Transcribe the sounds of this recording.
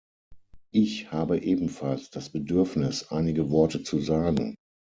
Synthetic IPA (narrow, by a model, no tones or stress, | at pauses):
ʔɪçhaːbəʔeːbm̩falsd̥asb̥ədʏɐfnɪsʔaɪnɪɡəvɔɐtət͡suzaːɡŋ̩